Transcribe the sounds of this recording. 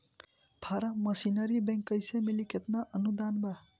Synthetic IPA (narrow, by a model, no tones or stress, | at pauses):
pʰaɾaməsinəɾibẽŋkəjsemilikʰet̪naʔənud̪anba